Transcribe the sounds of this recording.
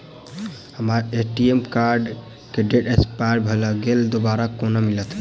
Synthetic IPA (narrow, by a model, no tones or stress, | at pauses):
həmaɾeʈiemkaɾɖ | keɖeʈekspajɾbʱelɔɡeld̪obaɾakonamilət̪